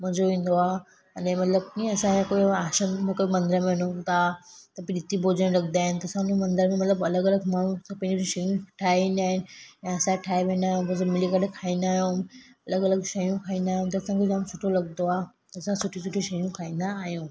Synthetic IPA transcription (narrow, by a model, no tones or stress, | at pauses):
mʊ̃ɦɲzoʋĩːn̆d̪oaː | ɐnẽmɐt̪ləbĩɐsãkoiaːʃənmẽkoːimɐ̃nd̪ɾəmẽɐnot̪at̪ɐpɪɗit̪ibʱoːd͡ʑəñlɐkʰnd̪aːɦɪnɪt̪ɐsãnũmɐ̃nd̪əɾmẽmɐt̪ləbɐləɡɐləɡmaːɽ̃ũspɐ̃d͡ʑoɾĩʃɐjũʈʰaːiʋĩːnd̪aːɦɪnɪ̆jãɐsãʈʰaːeʋẽːn̆d̪aːɦjõbɐsəmɪlikəɾekʰaːĩːnd̪aːɦjõɐləɡɐləɡʃɐjũkʰaːĩːnd̪aːɦjũt̪ɐːsãkʰed͡ʑamsʊʈʰolɐɡnoaː | t̪ɐɐsãsʊʈʰĩsʊʈʰĩʃɐjũkʰaːĩːn̆d̪aːɦijũː